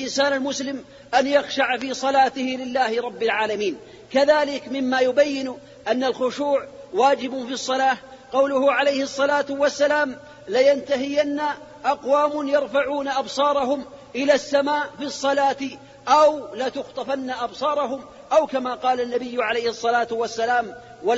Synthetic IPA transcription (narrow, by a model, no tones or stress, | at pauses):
ʔɪnsaːnalmʊslɪm | ʔanjaxʃaʕfiːsˤɑlaːt̪ɪhɪlɪlːaːhɪɾˤɑbːalʕaːlamiːn | kaðaːlɪkmɪmːaːjʊbajːɪn | ʔanːalxʊʃuːʕwaːd͡ʒɪbʊfisˤːɑlaːh | qɑwlʊhʊʕalejhɪsˤːɑlaːt̪ʊwasːalaːm | lajant̪aɦɪjanːaʔɑqwaːmʊnjɑɾˤfaʕuːnaʔɑbsˤɑːɾˤɑɦʊm | ʔɪlaːsːamaːʔfisˤːɑlaːt̪ | ʔawlat̪ʊxt̪ˤɑfanːaʔɑbsˤɑːɾˤɑɦʊm | ʔawkamaːqɑːlanːabɪjːʕalejhɨsˤːɑlaːt̪wasːalaːm | wa